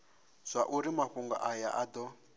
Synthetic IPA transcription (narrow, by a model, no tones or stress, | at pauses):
z̥ʷaʔuɾimaɸuŋɡa̰ʔaja̰ʔad̪ɔ